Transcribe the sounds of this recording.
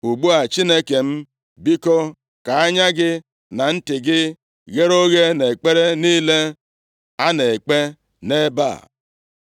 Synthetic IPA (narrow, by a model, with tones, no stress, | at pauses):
u˨ɡ͡bu˦a˨t͡ʃi˦ne˦ke˨m̩˦ | bi˦kɔ˦ | ka˨a˦ɲa˦ɡɪ˦ | na˨n̩˦tɪ˨ɡɪ˦ | ɣe˦ɾo˦ɣe˦ne˨k͡pe˦ɾe˦niː˦le˦ | a˦ne˨k͡pe˦ | ne˦ba̰˦˨